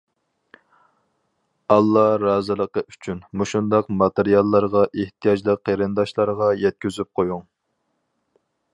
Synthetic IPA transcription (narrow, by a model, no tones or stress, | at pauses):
ɑlˠːɑɾɑːzɨlˠəqəʔyt͡ʃʰynmuʃund̪ɑqmɑt̪eɾijɑlˠːɑɾʁɑʔeht̪ʰijɑd͡ʒlˠəqʰːeɾɨnd̪ɑʃlˠɑɾʁɑjɛt̪̚kʲyzyp̚qʰojuŋ